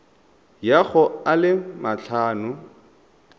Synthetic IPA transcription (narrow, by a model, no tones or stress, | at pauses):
jaɣʊalɪmaɬʰaːnʊ